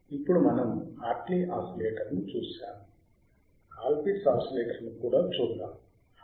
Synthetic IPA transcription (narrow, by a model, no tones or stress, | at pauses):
ipːuɽumɐnɐmaːʈliʔaːsɐleːʈɐɾnit͡ʃuːʃaːnu | haːlpisaːsɐleːʈɐɾnukuːɽaːt͡ʃuːd̪ːaːm